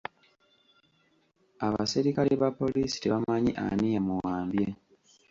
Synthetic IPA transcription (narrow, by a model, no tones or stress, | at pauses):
aβa̰siɾikaliβapːo̞liːsi̥te̞βamaɲiʔa̰nijamuwaːmbje